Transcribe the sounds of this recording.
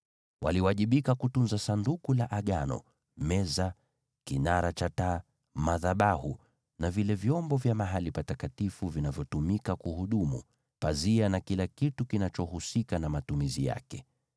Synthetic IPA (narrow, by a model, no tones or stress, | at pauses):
wʔa̰liwaʄiɓikakutunzasandukulaʔaɠanɔ̰ | mɛza | kinaɾat͡ʃata | maðaɓahu | navilɛvjɔmbɔvjamaɦalipatakatifuvinavjɔtumikakuhuɗumṵ | pazianakilakitukinat͡ʃɔhusikanamatumizija̰kɛ